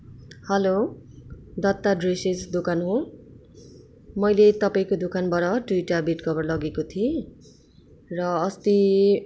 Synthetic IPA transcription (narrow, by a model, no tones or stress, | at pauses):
hʌlo | d̪ʌt̪ːaɖresed͡zd̪okanɦõ | mʌjlet̪ʌpaĩkod̪ukanbʌɾʌɖujʈabiʈkʰʌbʌrlʌɡekot̪ʰie | rʌːst̪i